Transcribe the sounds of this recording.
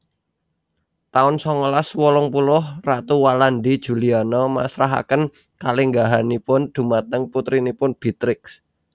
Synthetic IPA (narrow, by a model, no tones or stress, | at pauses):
t̪aʊnsɔŋɔlaswɔlɔŋpulʊhrat̪uwalanɖid̥ʒ̥ṳlianɔma̰sɾaɦa̰kən | kaliŋɡaɦanipʊnd̪̥ṳmat̪əŋput̪ɾinipʊnb̥i̤t̪ɾɪks